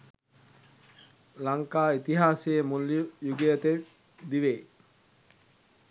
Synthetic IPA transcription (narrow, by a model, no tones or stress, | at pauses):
laŋkaːit̪iɦaːsejemulːjuɡijət̪e | d̪iʋe